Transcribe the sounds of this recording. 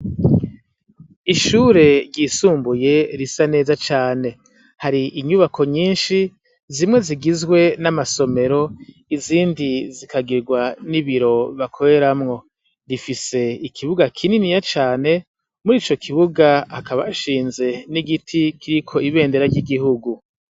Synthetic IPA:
iʃuːɾe̞ɾɟisuːmbuje̞ɾisane̞ːzat͡ʃaːne̞ | haɾiʔiɲuβakʰo̞ɲiːnʃi | zimŋe̞ziɡizɡwe̞namaso̞me̞ɾo̞ | iziːndizikʰaɡiɾɡwaniβiɾo̞βakʰoɾe̞ɾamŋo̞ | ɾifise̞ikʰiβuɡakʰininijat͡ʃaːne̞ | muɾiːt͡ʃo̞kʰiβuɡaakaβaʃiːnze̞niɡitʰikʰiɾikʰo̞iβe̞ːnde̞ɾaɾɟiɡihuɡu

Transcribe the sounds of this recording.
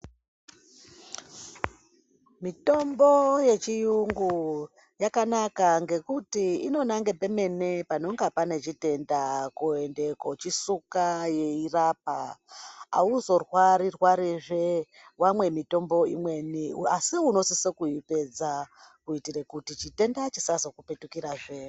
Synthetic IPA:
mito̞mbo̞je̞t͡ʃijuŋɡu | jakanakaŋɡe̞kutiino̞naŋɡe̞pe̞me̞ne̞pano̞ŋɡapane̞t͡ʃite̞ndakue̞nde̞ko̞t͡ʃisukaje̞irap̚a | a̰uzo̞rwaɾirwaɾiʐe | wamwe̞mito̞mbo̞ḭmwe̞niasiuno̞sisekuipe̞d͡za | kuitiɾekutit͡ʃite̞ndat͡ʃisazokupe̞tukiɾaʐe

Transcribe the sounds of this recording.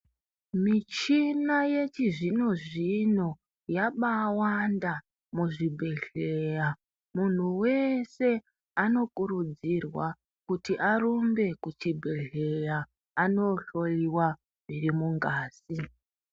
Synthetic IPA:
mit͡ʃinaje̞t͡ʃiʐino̞ʐino̞ | jaɓawanda | muʐibʱe̞ɮeja | mun̤uwe̞se̞ | ano̞kuɾud͡zirwa | kutiʔaɾombe̞kut͡ʃibʱe̞ɮe̞jaː | no̞ɬo̞liwa | mirimuŋɡaːsi

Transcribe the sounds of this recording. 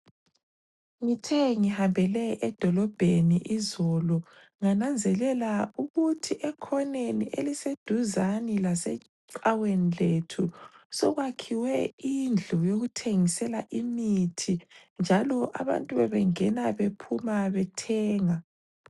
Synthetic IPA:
ŋitʰɛŋihambʱɛlɛʔɛd̥ʱɔlɔb̥ʱeniʔizɔlɔ | ŋanand͡zʱɛlɛlauɣutʰiʔɛkʰɔneniʔelised̥ʱuzanilasɛ̰ | ǀaweniletʰusɔɣwakʰiwɛind͡ɮʱujoɣutʰeŋisɛlaʔimitʰind͡ʒʱalɔʔa̰βa̰ntʼuβɛβɛŋɛnaβepʰumaβɛtʰɛːŋa

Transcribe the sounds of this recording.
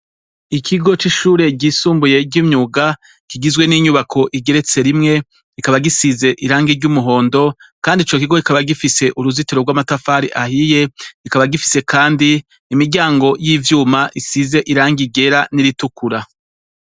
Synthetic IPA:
ikʰiɡo̞t͡ʃiʃuːɾe̞ɟiːsuːmbuje̞ɾɟimɲuːɡa | kiɡizɡwe̞niːɲuβakʰo̞ʔiɡe̞ɾe̞t͡se̞ɾimŋe̞ | ikaβaɡisize̞ʔiɾaːŋɡiɾɟumuɦo̞ːndo̞kaːndit͡ʃo̞kiɡo̞ikaβaɡifise̞ʔuɾuzitiɾoɡwaːmatafaɾḭʔahije̞ikaβaɡifi̥se̞kʰaːndiː | miɾɟaːŋɡo̞jiːvjuːmaʔisize̞ʔiɾaːŋɡiɡe̞ɾaniɾitukuɾa

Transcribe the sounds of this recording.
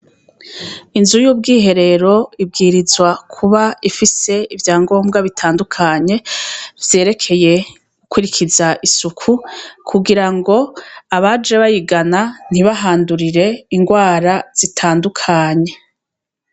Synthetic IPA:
inzujuːb̚ɡiːɦe̞ɾe̞ɾo̞ibɡiːɾizwakʰuβaifise̞ivjaːŋɡo̞ːmɡaβitʰaːndukʰaɲe̞vje̞ːɾe̞kʰe̞je̞ | ɡukwiɾikʰizaʔisukʰukʰuɡiɾaŋɡo̞aβad͡ʒe̞βajiɡanan̥iβaɦaːnduɾiɾe̞iŋɡwaːɾaz̥itʰaːndukʰaːɲe̞

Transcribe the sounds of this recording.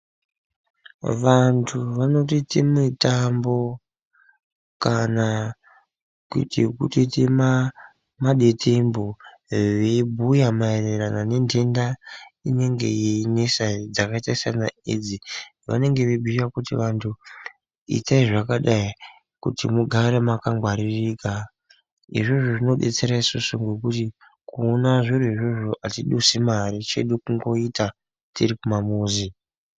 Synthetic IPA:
ʋantʰuʋano̞titemitambo̞ | kana | ktikutitema | maɗetʰembo | ʋebʱujamaereranane̞ndendaine̞ŋɡe̞̰inesad͡zakaitaisana̰ed͡zi | ʋa̰ne̞ŋɡe̞ʋebʱiakutiʋantʰu | ḭtaiʐakaɗai | kutimuɡʱaɾemakaŋɡʱwaɾirika | iʐoʐoʐino̞ɗe̞̰t͡se̞ɾaisosoŋɡo̞kuti | kuːnaʐoruiʐoʐoʔatiɗusimaɾit͡ʃe̞̰ɗukuŋɡo̞ita | tiɾikumamuːzi

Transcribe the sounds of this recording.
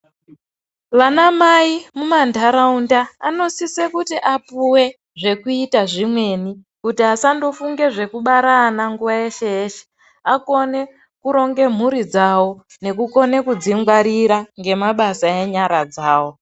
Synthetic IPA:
ʋanamaimumandʱaɾaundaːno̞sisekutiʔapuwe̞ | ʐe̞kuitaʐimwe̞ni | kutiasando̞fuŋɡe̞ʐe̞kuɓaɾaːnaŋɡuʋae̞ʃeeːʃe̥ | ako̞ne̞ | kuɾo̞ŋɡe̞m̤uɾid͡zawo̞ | ne̞kuko̞ne̞kud͡ziŋɡwaɾiɾaŋɡe̞maɓasae̞ɲaɾad͡zaːwo̞

